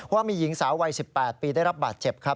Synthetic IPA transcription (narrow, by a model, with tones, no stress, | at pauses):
waː˥˩miː˧ji˨˩˦ŋsaː˩˦wa˧jsi˨˩pːɛː˨˩t̪̚piː˧daː˥˩jɾa˦˥p̚baː˨˩t̪̚t͡ɕe˨˩p̚kʰɾa˦˥p̚